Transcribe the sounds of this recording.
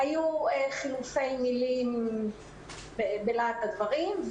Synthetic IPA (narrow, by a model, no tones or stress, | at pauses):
ajueχilufe̞jmilim | bebelat̪ad̪vaʁimv